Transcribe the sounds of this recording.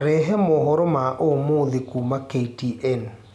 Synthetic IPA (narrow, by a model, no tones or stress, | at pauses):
ɾɛɦɛmɔɦɔɾɔmaʔomoðekumaketiʔɛn